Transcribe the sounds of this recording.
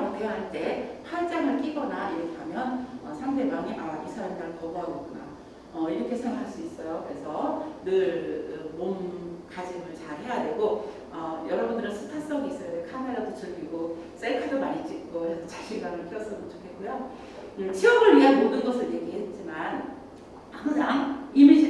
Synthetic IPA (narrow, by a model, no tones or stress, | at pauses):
ok͈oɦaɭt͈e̞pʰaɭt͡ɕ͈aŋɯɭk͈iɡʌnaiɾʌkʰeamjʌnʌsʰaŋde̞baŋiʔaisʰaadaɾɯɭkʌboɦadʌkuna | ʌiɾʌkʰe̞sʰeŋwakʰaɭs͈uis͈ʌjokɯɾe̞sʰʌnɯɭɯmomkad͡ʑimɯɭt͡ɕaɭɦe̞jadwe̞ɡo | ʌjʌɾʌbundɯɾɯnsʰɯ̥pʰas͈ʌɡiis͈ʌʌdekʰame̞ɾadot͡ɕɯɭɡiɡo | s͈ekʰadomaɲit͡ɕ͈ʰik͈oɾesʰʌt͡ɕaɕʰiŋɡaŋɯɭk͈ʰijʌs͈ɯmɯnt͡ɕokʰe̞t̚k͈ujo | ɯt͡ɕʰiʌɡɯɭɥiɦamodɯnɡʌsʰɯɭje̞ɡiɦet̚t͡ɕ͈iman | had͡ʑʰaŋimid͡ʑʰi